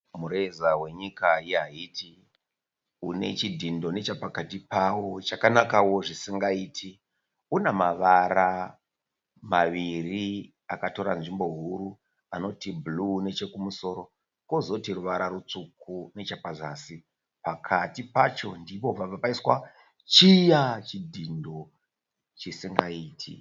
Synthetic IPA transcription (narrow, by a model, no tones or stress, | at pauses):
muɾezawe̞ɲikaiɦaiːti | une̞̰t͡ʃidʱindo̞ne̞t͡ʃapakatipawo̞t͡ʃakanakawo̞ʐisiŋɡaiːtʰi | unemaʋaɾa | maʋiri | akato̞ɾanʐimbo̞ɦuɾu | ano̞tibʱlune̞t͡ʃe̞kumuso̞ɾo̞ | ko̞zo̞tiɾuʋaɾaɾut͡sukune̞t͡ʃapazaːsi | pakʰatipat͡ʃo̞ndipo̞b͡vaʋapaiswa | t͡ʃijat͡ʃidʱindo̞ | t͡ʃisiŋɡaiːtʰḭ